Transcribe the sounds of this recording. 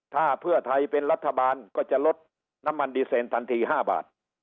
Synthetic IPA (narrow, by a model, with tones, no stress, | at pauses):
t̪ʰaː˥˩pʰɯ˥˩ɐt̪ʰa˧jpe˧nɾa˦˥t̪ʰːa˧baː˧nkɔː˥˩t͡ɕa˨˩ʔlo˦˥t̪̚ | na˦˧˥mːa˧ndiː˧seː˨˧nt̪ʰa˧nt̪ʰiː˧ɦaː˥˩ba̰ː˨˩t̪̚